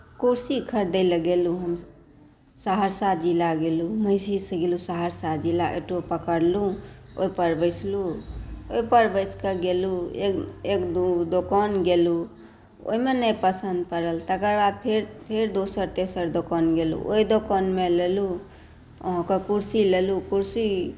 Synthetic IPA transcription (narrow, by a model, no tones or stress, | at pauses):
kuɾsikʰəɾd̪ələɡeluɦəm | saɦəɾsad͡ʒilaɡeluməjsisəɡelusaɦəɾsad͡ʒilaʔḛʈopəkəɾluoipəɾbəɪsʰluoipəɾbəɪskəɡelueekd̪ud̪okɔnɡelu | o̰ɦimenəjpəsənd̪̚pəɾəlt̪əkəɾbad̪̚pʰeɾpʰeɾd̪osəɾt̪esəɾd̪okənɡelṵʔo̰id̪okənmelelu | o̰ɦɔ̃kekuɾsilelukuɾsi